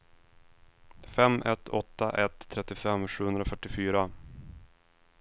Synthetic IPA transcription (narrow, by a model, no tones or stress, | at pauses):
fɛmːɛt̪ʰːɔt̪ːa̰ʔɛt̪ʰːɾɛt̪ːɪfɛmːɧʉ̟ːhɵnd̪ɾafœʈːɪfyːɾa